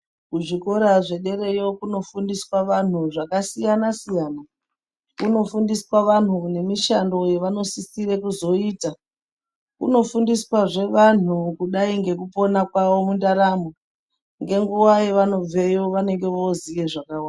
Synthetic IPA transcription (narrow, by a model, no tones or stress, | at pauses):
kuʐiko̞ɾaʐe̞ɗe̞ɾe̞jo̞kuno̞fundiswaʋan̤uʐakasijanasijana | kuno̞fundiswaʋan̤une̞miʃando̞je̞ʋano̞sisiɾekuzo̞iːta | kṵno̞fundiswaʐe̞ʋan̤ukuɗaiŋɡe̞kupo̞nakwaʋo̞mundaɾamo | ŋɡe̞ŋɡuwajeʋano̞b͡ve̞joʋane̞ŋɡe̞ʋo̞zije̞ʐakawaːa